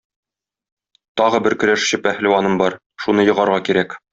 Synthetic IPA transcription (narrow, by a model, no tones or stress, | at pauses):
t̪ɒʁɤbɘɾkɵ̆ɾæʃɕɘpæhlɘ̆wɑnɤmbɒɾ | ʃunɤjɤ̆ʁɑɾʁɑkiɾæk